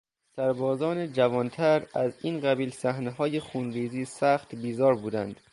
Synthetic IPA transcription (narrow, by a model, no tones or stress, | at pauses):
sæɾbɒːzɒːned͡ʒævɒːnt̪ʰæɾæziːnɢæbiːlsæhneɦɒːjexuːnɾiːziːsæxt̪biːzɒːɾbuːd̪ænd̪̥